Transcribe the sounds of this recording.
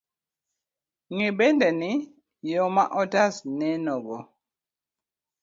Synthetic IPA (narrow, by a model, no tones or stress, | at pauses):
ŋibɛndɛni | jɔmaʔɔtasnɛnɔɡɔ